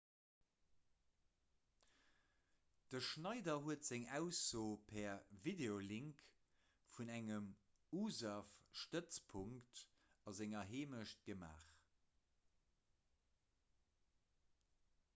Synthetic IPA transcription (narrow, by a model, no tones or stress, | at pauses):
d̥əʃnɑɪdɐɦuətz̥æŋæʊsoːpʰɛɐvideoliŋk | funæŋəm | uːzafʃtət͡spʰuŋkt | ɑzæŋɐɦeːməʃt̚ɡ̥əma̰ːχ